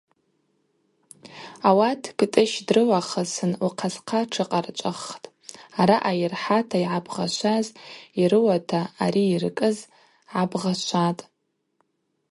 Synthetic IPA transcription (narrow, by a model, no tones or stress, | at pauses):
awatʰktʼɨʃdrɨwaχəsɨnuqʰasqʰaʈ͡ʂʰɨqʼart͡ʃʷʼaχtʼ | aɾaʔajɪrħatʰaiʕabʁaʃʷaziɾɨwatʰaːɾiːrkʼɨz | ʕabʁaʃʷatʼ